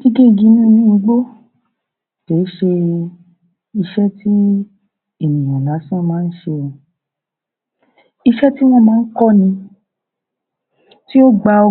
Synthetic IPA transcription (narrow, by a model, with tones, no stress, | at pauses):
ɡi˦ɡe˦˨ɡĩ˧nĩ˦nĩ˦˧ɡ͡bo˦ | te˨˦ʃe˧ | i˧ʃɛ˦ti˦ | e˦˨mĩ˨ũ˨la˨˦sã˦˨˧mãː˨˦n̩˦ʃe˧ɔ̃˧ | i˧ʃɛ˦ti˦w̃ɔ̃˧mãː˦˧˦kɔ˦nĩ˧ | ti˦o˦ɡ͡ba˧o˧